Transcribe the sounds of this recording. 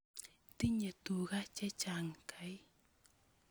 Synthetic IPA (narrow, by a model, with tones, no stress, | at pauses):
t̪i˦ɲə˨t̪u˨ɣa˦t͡ʃɛ˦t͡ʃa˨ŋkʰa˨˦j